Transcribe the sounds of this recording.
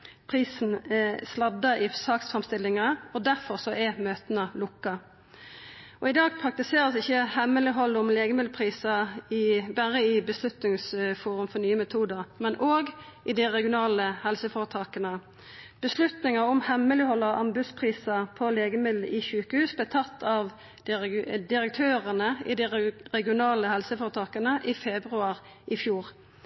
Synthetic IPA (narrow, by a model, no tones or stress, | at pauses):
pʰʁiːsn̩ɛslɑd̪ɑɪsɑːksfʁɛmst̪ɪlːɪŋɑɔd̪æʁfɔʁsɔʔɛmøːt̪ənəlʊkːɑ | ɔɪd̪ɑːɡpʰʁɑk̚t̪ɪseːɾəsɪçːəhɛmːəlɪɦɔlːʊmleːɡəmɪd̪l̩pʰʁiːsɑɪbæʁəɪbəslʉt̪nɪŋsfuːʁʉmfɔʁnyːəmɛt̪ʰuːd̪əʁmɛnʔoːɡʔɪd̪ɪʁɛɡɪʊnɑːləhɛlsəfɔʁət̪ʰɑːkənə | b̥əslʉt̪nɪŋɑʊmhɛmːəlɪhɔlːəʔɑmbʉspʰʁiːsɑpʰɔleːɡəmɪd̪l̩ɪçʉːkəhʉːsblɛːt̪ʰɑt̪ːɑʋ | d̪ɪɾək̚t̪ʰøːʁənəɪ̰d̪ɪʁɛɡɪʊnɑːləhɛlsəfɔːʁət̪ʰɑːkənəʔɪfɛbʁʉɑʁ | ʔɪfjuːʁ